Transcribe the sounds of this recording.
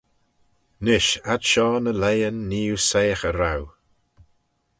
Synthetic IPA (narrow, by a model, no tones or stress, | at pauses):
nɪʃadʃɔːnəlejənːiːuseːxəɾaw